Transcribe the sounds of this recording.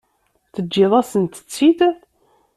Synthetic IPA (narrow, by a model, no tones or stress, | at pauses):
θəd͡ʒːɪðˤasənt̪ə̥t͡sːid̪